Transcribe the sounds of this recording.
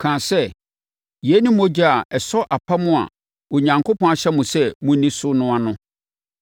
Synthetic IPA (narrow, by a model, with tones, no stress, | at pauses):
kʰãː˨sɛ˦ | jɛ˨˦nʊ̃˦mõ˦d͡ʑa˦a˨ɛ˨sɔ˦ʔa˨pʰa˦mʊ̃˦a̰˨ | o˨ɲã˨ŋkʰʊ˦pʰɔ̃˦a˨ɕɛ˦mʊ̃˨sɛ˦mʊ̃˦nĩ˦sʊ˦nʊ̃˦a˨nʊ̃˦